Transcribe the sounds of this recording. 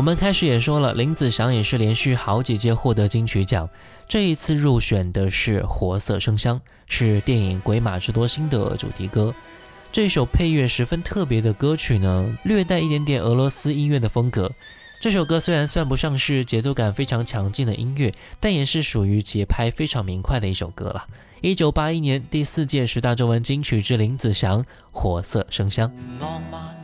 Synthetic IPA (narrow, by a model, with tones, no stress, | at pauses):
wɔ˩mə˧˦nkʰa˥ɪʂɻ̩˧˥jɛ˨˩ʂwɔ˥lə̰˨li˧˥ŋt͡sɹ̩˨˩ɕjɑ˧˥ŋjɛ˨˩ʂɻ̩˥˩ljɛ˧˥nɕy˥˩xɑ˧˥ʊt͡ɕi˨˩t͡ɕjɛ˥xwɔ˥˩t̪ɤ˧˥t͡ɕi˥ŋt͡ɕʰy˧˥t͡ɕjɑ̰˨˩˦ŋ | ʈ͡ʂɤ˥˩i˧˥t͡sʰɹ̩˥˧ɻu˥˩ɕɥɛ˨˩nd̪ə˦ʂɻ̩˥˩xwɔ˧˥sɤ̰˥˧ʂɤ˥ŋɕjɑ˥ŋ | ʂɻ̩˥˧t̪jɛ˥˩ni˨˩ŋkwe˧˥ɪma̰˨˩ʈ͡ʂɻ̩˧˥t̪wɔ˥ɕi˥nd̪ə̰˨ʈ͡ʂṵ˨˩t̪ʰi˧˥kɤ˥ | ʈ͡ʂɤ˥˧i˥˩ʂo˨˩ʊpʰe˥˧ɪɥɛ˥˩ʂɻ̩˧˥fə˥nt̪ʰɤ˥˩p̬jɛ˧˥d̪ə˧kɤ˥t͡ɕʰy˨˩nə˦lɥɛ˥˧t̪a˥˧ɪi˥˩t̪jnt̪jɛ˨˩nɤ˧˥lwɔ˧˥sɹ̩˥i˥nɥɛ˥˩d̪ə˩fɤ˥ŋkɤ˧˥ | ʈ͡ʂɤ˥˩ʂo˨˩ʊkɤ˥swe˥ɪɻa˧˥nswa˥˩npu˧˥ʂɑ˥˧ŋʂɻ̩˥˩t͡ɕjɛ˧˥t̪u˥˩ka˨˩nfe˥ɪʈ͡ʂʰɑ˧˥ŋt͡ɕʰjɑ˧˥ŋt͡ɕi˥˩ŋd̪ə˩ʔi˥nɥɛ˥˩ | t̪a˥˩njɛ˨˩ʂɻ̩˥˩ʂu˨˩y˧˥t͡ɕjɛ˧˥pʰa˥ɪfe˥ɪʈ͡ʂʰɑ˧˥ŋmi˧˥ŋkʰwa˥˩ɪd̪ə˩i˥˩ʂo˨˩ʊkɤ̰˥lə̰˨ | i˥t͡ɕjo˨˩ʊpa˥i˥njɛ˧˥nt̪i˥˧sɹ̩˥˧t͡ɕjɛ˥˩ʂɻ̩˧˥t̪a˥˩ʈ͡ʂo˥ʊwə˧˥nt͡ɕi˥ŋt͡ɕʰy˨˩ʈ͡ʂɻ̩˥li˧˥ŋt͡sɹ̩˨˩ɕjɑ˧˥ŋ | xwɔ˨˩sɤ̰˥˩ʂɤ˥ŋɕjɑ˥ŋ